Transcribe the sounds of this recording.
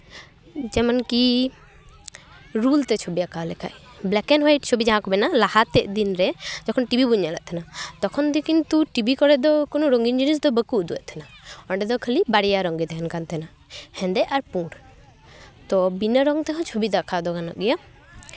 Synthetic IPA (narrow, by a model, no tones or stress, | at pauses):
d͡ʒɛmanki | ɾult̪ɛt͡ʃʰobiakʰalɛkʰa̰ʔ | blɛkɛnɦajʈ̚t͡ʃʰobid͡ʒaɦãkɔbɛnalahat̪ɛʔd̪inɾɛd͡ʒɔkʰɔnʈibibuɲalɛ̰ʔt̪ʰɛnat̪ɔkʰɔnd̪ɛkint̪uʈibikɔɽɛd̪ɔkonɔɾɔŋɡind͡ʒinis̬d̪ɔbəkuʔd̪uɛʔt̪ʰɛnaɔɳɖɛd̪ɔkʰəlibaɽijaɾɔŋɡid̪ɛɦɛnkant̪ʰɛna | hɛ̃nd̪ɛaɾpũɽ | t̪ɔbinəɾɔŋt̪ɛkʰãt͡ʃʰobid̪akʰad̪ɔkana̰ʔɡɛja